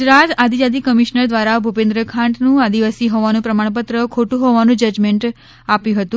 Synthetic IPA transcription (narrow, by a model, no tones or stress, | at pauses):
ɡd͡ʒɾat̪ad̪id͡ʒad̪ikəmiʃnəɾd̪ʋaɾabʱupẽnd̪ɾəkʰãɳʈnũad̪iʋasiɦɔʋanũpɾəmaɳ̃p̬ət̪ɾəkʰoʈũɦoʋanũd͡ʒəd͡ʒmeɳʈ | apjũɦət̪ũ